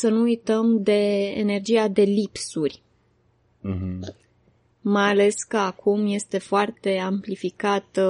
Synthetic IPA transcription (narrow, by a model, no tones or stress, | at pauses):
sənuujt̪əmd̪e̞ḛne̞rd͡ʒijad̪e̞lipsurʲ | majale̞skəakʰumje̞st̪e̞foart̪e̞amplifikat̪ə